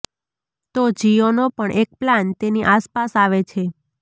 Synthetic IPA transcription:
t̪od͡ʒionopəɳʔek̚plant̪eniʔaspasaʋet͡ʃʰe

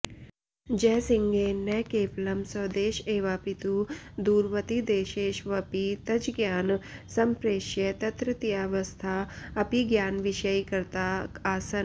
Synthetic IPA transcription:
d͡ʒɛːsiŋɡeːnːɐkeːflɐmsɐːd̪eːʃeːʋaːpit̪ud̪uːɾʋɐt̪id̪eːʃeːʃʋɐpit̪ɐd͡ʒɡjaːnsɐmpɾeːʃjɐt̪ɐt̪ɾɐt̪iaːʋɐst̪ʰaːɐpiɡjaːnʋiʃɐjkɐɾt̪aːaːsɐn

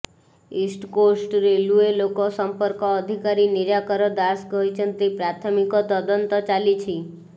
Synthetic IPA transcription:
isʈkosʈɾeluelokosəmpəɾkɔːd̪ʱikaɾiniɾakɔɾɔd̪asɡɔɦit͡ʃʰənt̪ipɾat̪ʰɔmikɔt̪ɔd̪ɔnt̪ɔt͡ʃalit͡ʃʰi

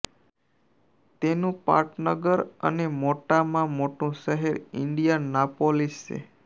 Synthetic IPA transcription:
t̪enũpa̰ɾʈnəɡəɾə̰nemoʈamãmoʈũʃəɦeɾɪɳɖijanapolist͡ʃḛ

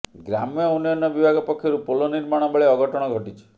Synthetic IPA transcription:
ɡɾamjɔunjɔnjɔbibʱaɡɔpɔkʰːjɔɾupoloniɾmaɽ̃ɔbaɭeɔɡɔʈɔɽ̃ɔɡʱɔʈit͡ʃʰɔ̥

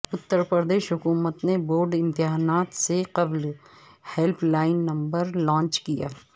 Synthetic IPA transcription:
ʊt̪ːəɾpɾd̪eːʃɦʊkuːmət̪neboːɾɖɪ̃mt̪ɪɦaːnaːt̪seqɐbl | hɛlpʰlaːɪnːɐ̃mbəɾlãːɲt͡ʃkija̰ː

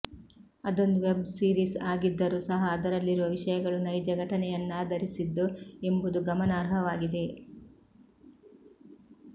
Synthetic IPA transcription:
ɐd̪o̞nd̪uʋebsiːɾisaːɡid̪ːɐɾuːsɐɦɐːd̪ɐɾɐlːiɾuʋɐʋiʃɐjɐɡɐɭunɐjd͡ʒɐɡɐʈɐnɛjɐnːɐd̪ɐɾisid̪ːue̞mbud̪uɡɐmɐnaːɾɦɐʋaːɡid̪e̞

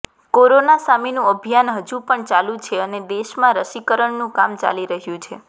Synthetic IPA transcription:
koɾonasaminũəbʱijanɦəd͡ʒũpəɳt͡ʃalũt͡ʃʰeəned̪eʃmãɾəʃikəɾəɳnũkamt͡ʃa̰liɾəɦjũt͡ʃʰe

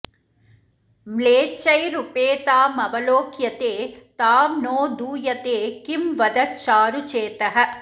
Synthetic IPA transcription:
mleːt͡ʃɐjɾupeːt̪aːmɐʋɐloːkjɐt̪eːt̪aːmnoːd̪uːjɐt̪eːkimʋɐd̪ɐt͡ʃaːɾut͡ʃeːt̪ɐɦɐ

